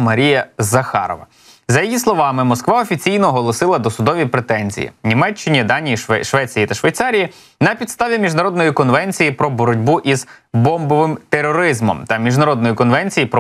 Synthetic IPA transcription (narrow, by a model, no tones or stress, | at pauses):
mɐɾʲijɐzɐxɑ̰ɾɔ̰ʋɐ | zɐjɐjislˠɔʋɑmɪmɔskʋɑɔfʲit͡sʲijnɔɦɔlˠɔsɪlˠɐd̪ɔsʊd̪ɔʋʲipɾet̪ɛnʲzʲḭjḭnʲimɛt͡ʃːɪnʲid̪ɑnʲijiʃʋɛt͡sʲijit̪ɐʃʋejt̪sɑɾʲiji | nɐpʲid̪st̪ɑʋʲimʲiʒnɐɾɔd̪nɔjikɔnʋɛnʲt͡sʲijipɾɔbɔɾɔdʲbuʔizbɔmbɔʋɪmt̪eɾɔɾɪzmɔ̰mt̪ɐmʲiʒnɐɾɔd̪nɔjikɔnʋɛnʲt͡sʲijipɾɔ